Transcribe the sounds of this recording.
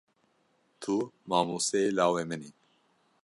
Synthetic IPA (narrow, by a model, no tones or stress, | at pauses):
t̪ʰumaːmuːsɛelaːwemɨni